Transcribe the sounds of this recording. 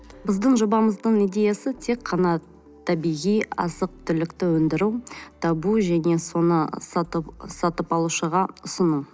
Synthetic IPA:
bɪzd̪əɴʒobɑməzd̪əɴijd̪e̞jasət̪ʰe̞kʰːɑnɑ | t̪ʰɑbijʁijɑ̰zəq̚t̪ʰʏlɪkt̪ɪwɵnd̪ɪɾuwt̪ʰɑbuʒæne̞so̞nəssɑt̪əpɑlˠuʃəʁɑʊsənu

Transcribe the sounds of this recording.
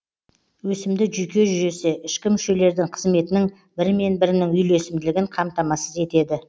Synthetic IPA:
wɵsɪmd̪ɪʒʏjkʲe̞ʒʏʒe̞seʔɪʃkʲɪmʏʃe̞le̞ɾd̪ɪŋqʰəzme̞t̪ɪnɪŋ | bɪɾme̞nbɪɾɪnɪŋʏjle̞sɪmd̪ɪlɪɡʲɪɴqʰɑmt̪ɑmɑsəze̞t̪e̞d̪ɪ

